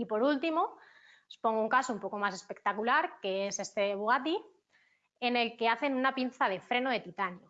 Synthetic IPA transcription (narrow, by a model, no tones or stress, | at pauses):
ipo̞ɾult̪imo̞ | spoŋɡouŋkasoumpo̞ko̞mase̞spe̞k̚t̪akulaɾke̞ese̞st̪e̞βuɣat̪i | e̞ne̞lke̞aθe̞nunapin̟θað̞e̞fɾe̞noðe̞t̪it̪anjo